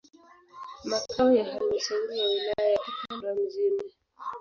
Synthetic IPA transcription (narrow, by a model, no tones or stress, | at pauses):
makaɔjahalim̩saiɾiwawilajajaʔitaɾam̩zima